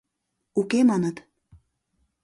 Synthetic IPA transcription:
ukemɑnɤ̆t̪

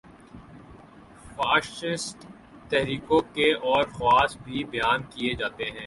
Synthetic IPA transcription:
faːʃɪsʈ | t̪ɛɦɾiːkõkeʔɔːɾxʊwaːsbʱibɐjaːnkied͡ʒaːt̪eɦɛ̃ː

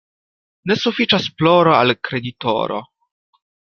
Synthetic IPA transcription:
ne̞sufit͡ʃasploɾoalkɾe̞d̪ito̰ɾo̰

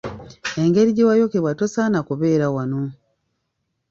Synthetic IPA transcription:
e̞ŋɡe̞ɾiɟewajokeβwatosanakuβe̞ːɾawano

